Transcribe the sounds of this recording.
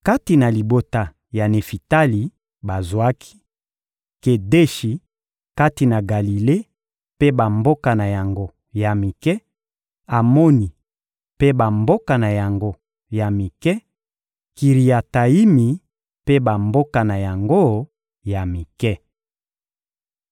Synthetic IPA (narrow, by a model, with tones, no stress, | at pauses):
ka˦ti˨na˨li˨bo˦ta˨ | ja˨ne˨fi˨ta˦li˨ | ba˨zwa˦kʰi̥˦ | ke˨de˦ʃi˨ | ka˦ti˨na˨ɡa˨li˨le˦ | pe˦ba˨mbo˦ka˨na˨ja˨ŋɡo˦ | ja˨mi˨kɛ˦ | a˨mo˦ni˨ | pe˦ba˨mbo˦ka˨na˨ja˨ŋɡo˦ | ja˨mi˨kɛ˦ | ki˨ʁi˨ja˨ta˨i˦mi˨ | pe˦ba˨mbo˦ka˨na˨ja˨ŋɡo˦ | ja˨mi˨kɛ˦